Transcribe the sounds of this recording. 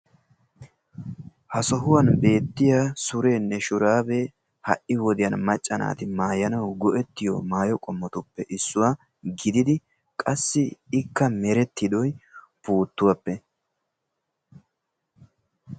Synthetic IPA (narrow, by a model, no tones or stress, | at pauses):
hɐsɔɦʊwɐnbe̞ːt̪ːɪjasʊɾeːnːɛʃʊɾaːbe | hɐ̰ʔɪwɔd̪ɪjɐnmɐt͡ʃʼːɐna̰ːt̪ɪmaːjɐnɐwɡɔʔɛt̪ːɪjɔ̰maːjɔkʼɔmːɔt̪ʊpːɛʔɪsːʊwaː | ɡɪd̪ɪd̪ɪ | kʼɐsːɪɪkːɐmɛɾɛt̪ːɪd̪ɔj | puːt̪ːʊwɐpːɛ